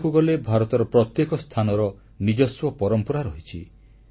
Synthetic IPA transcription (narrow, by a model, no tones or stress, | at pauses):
kuɡɔlebʱaɾɔt̪ɔɾɔpɾɔt̪jekɔst̪ʰanɔɾɔ | nid͡ʒɔswɔpɔɾɔmpɔɾaɾɔɦit͡ʃʰi